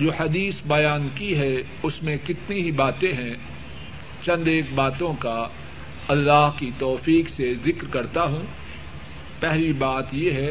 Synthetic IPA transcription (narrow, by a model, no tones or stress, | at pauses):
d͡ʒoːhɐd̪iːsbɐjaːnkiɦɛ | ʊsmẽkɪt̪niɦibaːt̪ẽɦɛ̃ | t͡ʃɐ̃nd̪eːk̚baːt̪õka | ɐlːaːɦkit̪ɔːfiːksezɪkɾkɐɾt̪aɦũː | pɛɦlibaːt̪jeɦɛː